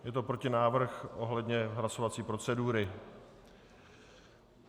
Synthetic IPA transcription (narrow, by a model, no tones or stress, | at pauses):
jɛt̪o̞pɾo̞cɪnaːvr̩xʔo̞ɦlɛdɲɛɦlaso̞vat͡siːpɾo̞t͡sɛduːɾɪ